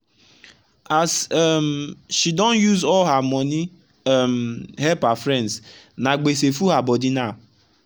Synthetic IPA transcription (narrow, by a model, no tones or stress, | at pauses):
azɛmʃidɔ̃n̩juzɔlɦamɔni | mɦɛpafɾɛ̃nds | naɡ͡besefuɦabɔdina